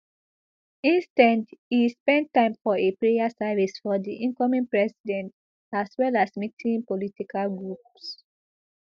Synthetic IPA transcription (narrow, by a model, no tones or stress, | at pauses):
ĩnstãndhispɛ̃ntːãɪ̃mfɔepɹejasɛvisfɔdiʔĩnkɔmĩnpɹɛsidɛ̃nt | aswɛlasmitʰĩnpɔlitikʰalɡɹups